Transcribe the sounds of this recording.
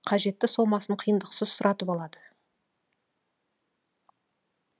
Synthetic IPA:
qʰɑʒe̞t̪ːɪso̞mɑsəɴqʰijənd̪əqsəzsʊɾʔɑt̪əpɑlˠɑd̪ə

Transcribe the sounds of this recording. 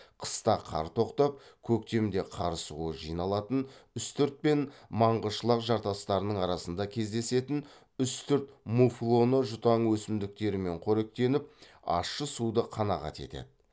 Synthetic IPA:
qʰə̥st̪ɑqʰɑ̰ɾt̪ʰo̞qt̪ɑp̚kʲʰɵk̚t̪e̞md̪e̞qʰɑ̰ɾəsuəʒijnɑlˠɑt̪ənʏst̪ʏɾt̪̚pe̞nmɑɴʁəʃəlˠəqʒɑɾt̪ɑst̪ɑɾənəɴɑɾɑsənd̪ɑkʲʰe̞zd̪e̞se̞t̪ɪn | ʏst̪ʏɾt̪muflˠo̞nəʒʊt̪ɑɴwɵsɪmd̪ɪk̚t̪e̞ɾɪme̞ɴqʰɵɾe̞k̚t̪e̞nɪp̚ | ɑ̰ʃːəsud̪əqʰɑnɑʁɑ̰t̪e̞̰t̪ḛd̪ɪ

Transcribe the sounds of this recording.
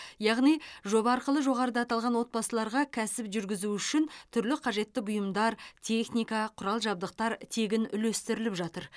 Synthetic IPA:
jɑʁnijʒo̞bɑɑːɾqəlˠəʒo̞ʁɑɾəd̪ɑt̪ɑlˠʁɑnwo̞t̪̚bɑsəlˠɑɾʁɑkʲʰæsɪpʒʏɾɡʲɪzuʏʃɪnt̪ʰʏɾlɪqʰɑʒe̞t̪ːɪbʊjəmd̪ɑɾt̪ʲʰe̞χnijkɑqʰʊɾɑlˠʒɑb̚d̪əq̚t̪ɑɾt̪ʰe̞ɡʲɪnʏ̰lest̪ɪɾɪlɪpʒɑt̪əɾ

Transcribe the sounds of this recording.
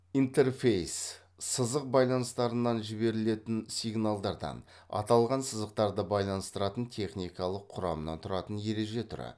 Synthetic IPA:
int̪e̞rfejs | səzəq̚bɑjlˠɑnəst̪ɑɾənːɑnʒɪbe̞ɾɪle̞t̪ɪnsʲijɡnalˠd̪ɑɾd̪ɑ̰n | ɑ̰t̪ɑlˠʁɑnsəzəq̚t̪ɑɾd̪əbɑjlˠɑnəst̪əɾɑt̪ənt̪ʲʰe̞χnijkɑlˠəqʰːʊɾɑ̰mənɑ̰nt̪ʰʊɾɑt̪ənje̞ɾe̞ʒe̞t̪ʰʊɾɑ̰

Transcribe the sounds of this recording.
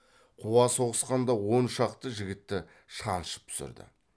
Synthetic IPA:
qʰuwɑso̞ʁəsqɑnd̪ɑwo̞nʃɑqt̪əʒɪɡʲɪt̪ːɪ | ʃɑnʃə̥p̚t̪ʰʊ̥sɪ̰ɾd̪ɪ̰

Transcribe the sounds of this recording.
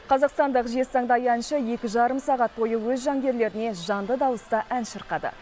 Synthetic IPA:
qʰɑzɑqst̪ɑnd̪əqʒe̞sɑɴd̪ɑjnʃəje̞kʲɪʒɑɾəmsɑʁɑt̪̚bo̞jəwɵzʒɑŋɡʲe̞ɾle̞ɾɪne̞ʒɑnd̪əd̪ɑwəst̪əʔænʃəɾqɑd̪ə̰

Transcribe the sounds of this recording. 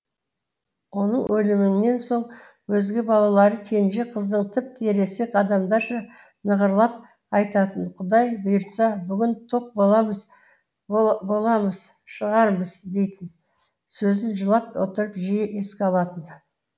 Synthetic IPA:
wo̞nəɴwʔɵlɪmɪŋne̞nso̞ɴ | wɵzɡʲɪbɑlˠɑlˠɑɾəkʲʰe̞jɪnʒe̞qʰəzd̪əɴt̪ʰɪp̚t̪eɾe̞seqʰɑd̪ɑmd̪ɑɾʃɑ | nəʁəɾlˠɑp̚ | ɑjt̪ɑt̪ənqʰʊd̪ɑjbejɾt̪sɑbʏɡʲɪnt̪ʰoq̚bolˠɑməz | bo̞lˠɑməz̥ʃəʁɑɾbəzd̪e̞jt̪ɪn | sɵzɪnʒəlˠɑp̚wot̪əɾəpʒijeʔe̞skʲɑlˠɑt̪ənd̪

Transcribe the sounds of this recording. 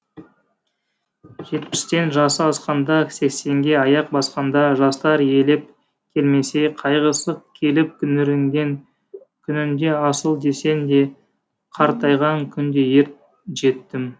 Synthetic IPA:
ʒe̞t̪̚pɪ̥st̪e̞nʒɑsəɑsqɑnd̪ɑse̞kse̞ŋɡʲe̞ɑjɑq̚bɑsqɑnd̪ɑʒɑst̪ɑɾe̞lɪp̚ | kʲʰe̞lme̞se̞qʰɑjʁəsəqkʲʰe̞lɪp̚kʲʰʏnɪɾɪŋɡʲe̞ŋ | kʲʰʏnɪnd̪e̞ɑsəlˠd̪e̞se̞nd̪e̞ | qʰɑɾt̪ɑjʁɑŋkʲʰʏnd̪e̞je̞ɾt̪̚ | ʒe̞t̪ːɪm

